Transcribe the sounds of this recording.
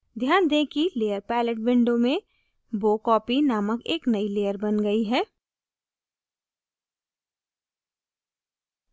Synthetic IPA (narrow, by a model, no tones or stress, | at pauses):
d̪ʱjaːnd̪ẽkileːjəɾpɛːləʈ̚bɪ̃ɳɖõmẽ | boːkɔːpinaːməkeːknəileːjəɾbənɡəiɦɛː